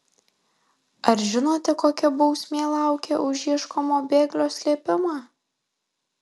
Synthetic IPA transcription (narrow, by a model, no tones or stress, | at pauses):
ɐɾʒʲɪnoːt̪ʲɛkoːkʲɛbɔʊsʲmʲeːlˠɑˑʊkʲeʔʊʒʲiɛʃkoːmoːbʲeːɡlʲoːsʲlʲeːpʲɪmɑː